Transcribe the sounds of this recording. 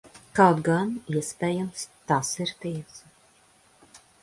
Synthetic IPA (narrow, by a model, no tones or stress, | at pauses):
kawt̪ɡaniɛspʲɛːjamst̪asiɾt̪iɛs